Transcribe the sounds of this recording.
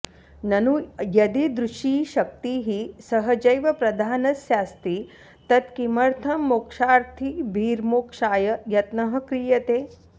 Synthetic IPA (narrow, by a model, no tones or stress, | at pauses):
nɐnujɐd̪id̪ɾuʃiːʃɐk̚t̪iːɦisɐɦɐd͡ʒɐjʋɐpɾɐd̪ʱaːnɐsjaːst̪i | t̪ɐt̪kimɐɾt̪ʰɐmːokʂaːɾt̪ʰibʱiːɾmoːkʂaːjɐjɐt̪nɐɦɐ̆kɾiːjɐt̪eː